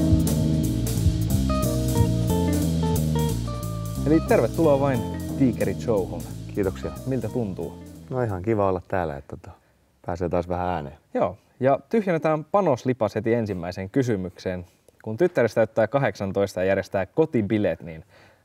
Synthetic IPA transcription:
elit̪erʋet̪ːuloːʋɑint̪iːkeɾit͡ʃouhunkiːt̪oksiɑmilt̪æt̪unt̪ṵːnoihɑŋkiʋɑolːɑt̪tæ̰ːlːæ̰ḛt̪ːot̪ɑ̥ | pæːseːt̪ɑːsʋæhææːnḛːjoː | jɑt̪yhjenːet̪æːmpɑnoslipɑshet̪iensimːæiseŋkys̬ymyksen | kunt̪yt̪ːæɾist̪æyt̪ːæːkɑɦe̞ksɑnt̪o̞ist̪ɑjɑjærjest̪æːkkot̪ibilet̪nin

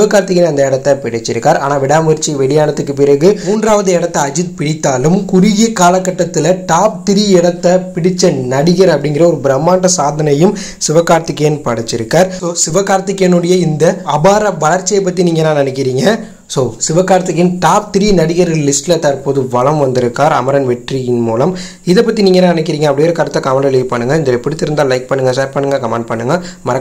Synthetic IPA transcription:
ɪʋɐkːaːɾt̪ɪk̬ːɪnɐnd̪ɐɪɽɐt̪ːɐpɪɽɪt͡ʃːɪɾɯkːaːɾa̰ːnaːʋɪɽaːmɐɾt͡ʃːiʋɛɽɪjaːnɐt̪ːɯkːɯp̬ɪɾɐɣɯmuːndɾaːʋɐðɯɛɽɐt̪ːɐːd͡ʒɪt̪̚pɪɽɪt̪ːaːlɯmkʊɾɪɣekaːlɐkːɐʈːɐt̪ːɪlɐʈaːp̚t̪ɪɾiɛɽɐt̪ːɐpɪɽɪt͡ʃːɐnɐɽɪɣɐɾɐpːɐɽɪŋɡɪɾɐɔɾɯbɪɾɐmːaːʈːɐsaːðɐnɐjɯm | sɪʋɐkːaːɾt̪ɪkːɐjɐnpɐɽɐt͡ʃːɪɾɯkːaːɾsoːsɪʋɐkːaːɾt̪ɪkːɛnɯɽɐjɐɪnd̪ɐɐbaːɾɐʋɐɭɐɾt͡ʃːɪjɐpːɐt̪ːiniːŋɡɐnːãːnɐnɛkːɪɾiːŋɡɐ | soːsɪʋɐkːaːɾɐt̪ːɯkːɪnʈaːp̚t̪ɪɾinɐɽɪɣɐɾɯlɪsʈlɐt̪ːaːɾpoːðɯʋɐɭɐmʋɐnd̪ɪɾɯkːaːɾɐ̰mɐɾɐnʋɛʈrijɪnmuːlɐm | ɪðɛpːɐt̪ːiniːŋɡɐnãːnɐnɛk̬ːɪɾiːŋɡɐːpːɐɽɪjɾɐkːaːɾɐt̪ːɐkɐʋɐɳɖɐliːpɐɳːɯŋɡɐɪnðɐlɐɛpːɪɽɪt̪ːɪɾɯnd̪aːlɐɪk̚pɐɳːɯŋɡɐsaːɾpɐɳːɯŋɡɐkɐmãːɳɖ̚pɐɳːɯŋɡɐmɐɾɐ

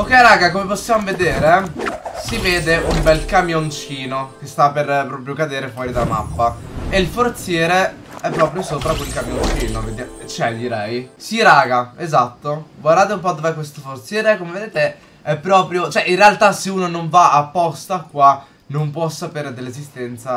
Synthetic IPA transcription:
okːɛɾaːɡakomeposːjamoved̪eːɾesiveːd̪eumbɛlkamjont͡ʃiːnok̟est̪apːerpːɾɔːpɾjokad̪eːɾefwɔːɾid̪alama̰pːaeilfort̪sjɛːɾe | ɛpːɾɔːpɾjosoːpɾakwelkamjont͡ʃiːnoved̪jat͡ʃɛd̪iɾɛjsiɾaːɡaezat̪ːoɡward̪aːt̪̬eumpɔd̪ovɛkwest̪ofort̪sjɛːɾekːomeved̪eːt̪e | ɛpːɾɔːpɾjot͡ʃoɛʔinrealt̪aseuːnonoɱvaapːɔst̪akːwa | nompwɔsːapeːɾed̪elːezist̪ɛnt̪sa

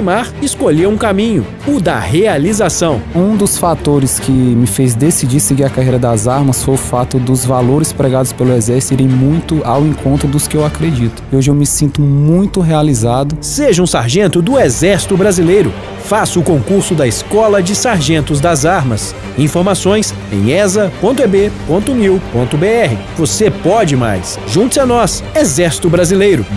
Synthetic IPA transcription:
imaɾɪskoʎeũkamĩɲʊ̰ | ʊd̪ɐhealizasɐ̃w̃ũd̪ʊsfat̪oɾɪskʰɪmɪfejzd̪esid͡ʒiɾseɡiɾɐkaɦejɾɐd̪ɐzaɾmɐsfojʊfat̪ʊd̪ʊzvaloɾɪspɾeɡad̪ʊspelʊɛzɛɾsi̥t̪ʊiɾẽj̃mũj̃t̪ʊawẽkõnt̪ɾʊd̪ʊskɪewakɾed͡ʒit̪ʊ̥oʒɪewmɪsĩnt̪ʊmũj̃t̪ʊɦealizad̪ʊseʒɐũsaɾʒẽnt̪ʊd̪ʊezɛɾsi̥t̪ʊbɾazilejɾʊ | fasʊʊkõkuɾsʊd̪ɐɪskɔlɐd͡ʒɪsaɾʒẽnt̪ʊzd̪ɐzaɾmɐs | ĩfoɾmasõj̃s | ḛ̃j̃ɛzɐpõnt̪ʊebepõnt̪ʊniwpõnt̪ʊbeɛɦɪvosepɔd͡ʒɪma̰js | ʒũnt̪ʊzanɔsezɛɾsi̥t̪ʊbɾazilejɾʊ

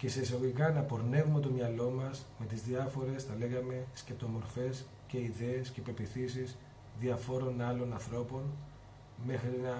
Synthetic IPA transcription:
ce̞sesoɣoikɐnɐpo̞ɾne̞vume̞t̪o̞mɲɐlo̞mɐsme̞t̪izðiɐfo̞ɾe̞sθɐle̞ɣɐme̞sce̞p̚t̪o̞mo̞ɾfe̞s | ce̞iðe̞ːsce̞pe̞ɾpiθisis | ðiɐfo̞ɾo̞nɐlo̞nɐnθɾo̞po̞n | mexɾinɐ

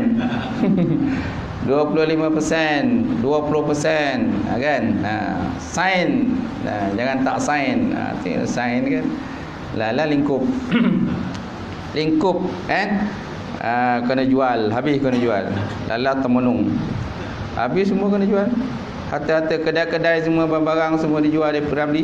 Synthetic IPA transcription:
n | duapulʊhlimãpəsɛnduapulʊpəsɛna̰kana̰sain | a̰d͡ʒaŋant̪aʔsainə̰t̪ḭsainkan | lalahliŋkʊp̚ | liŋkʊp̚kan | əkənəd͡ʒualɦabɪskənəd͡ʒua̰lː | a̰lulaht̪əmənʊŋ | ha̰bɪssəmuakənəd͡ʒual | hat̪əhat̪əkədajkədajs̬əmuababaɾaŋsəmuadid͡ʒualdapiɡamdi

